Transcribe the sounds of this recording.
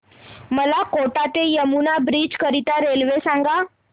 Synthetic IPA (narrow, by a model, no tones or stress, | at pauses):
məlakoʈat̪ejəmunabɾiːd͡ʑkəɾit̪aɾelʋesãŋɡa